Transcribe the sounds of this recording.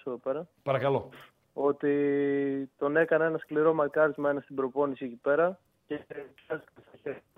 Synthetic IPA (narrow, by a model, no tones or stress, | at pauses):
seðo̞pe̞ɾɐpɐɾɐkɐlo̞ | o̞t̪i | t̪o̞ne̞kɐne̞nɐskliɾo̞mɐkɐɾizmɐe̞nɐst̪ibɾo̞po̞nisiecipe̞ɾɐ | cepɐst̪ikɐst̪ɐçe